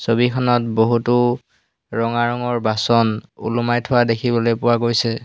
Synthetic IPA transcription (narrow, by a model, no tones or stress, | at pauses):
sobikʰɔnɔt̚boɦutʊ | ɹɔŋaɹɔŋɔɹbasɔnṵlumajtʰʊwadekʰibɔlojpʊwaɡojsɛ